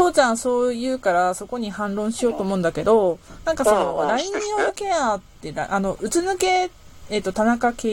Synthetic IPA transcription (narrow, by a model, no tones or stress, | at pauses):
toːt͡ɕãɰ̃so̞ːjɯ̟ːkaɾaso̞ko̞ɲ̟ihãnɾõ̞ɰ̃ɕijo̞ːt̪oːmo̞ɯ̃nd̪ake̞d̪o̞nãŋkaso̞noɾaiɲĩoɯke̞at̪ːe̞ɾa̰ʔano̞ʔɯ̟t͡sɨnɯke̞ː | t̪ːo̞t̪anakakeː